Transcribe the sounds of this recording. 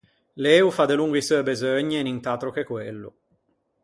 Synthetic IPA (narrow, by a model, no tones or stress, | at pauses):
leːufad̪eluŋɡoisuːebezøɲːenint̪aːt̪ɾok̟ekwelːʊ̰